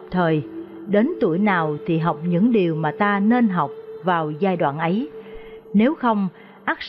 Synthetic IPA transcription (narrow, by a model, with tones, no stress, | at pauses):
p̚t̪ʰəː˨˩j | ɗe˨˦nt̪u˧˩əjnaː˨˩wt̪ʰi˨˩ɦa˨˩wk͡p̚ɲɨ̰˧˥ŋɗi˨˩əwmaː˨˩t̪aː˧ne˧nɦa˨˩wk͡p̚vaː˨˩wzaː˧jɗwa̰ː˧˨nʔə˨˦j | ne˨˦wxə˧wŋ͡m | ʔaː˦˥k̚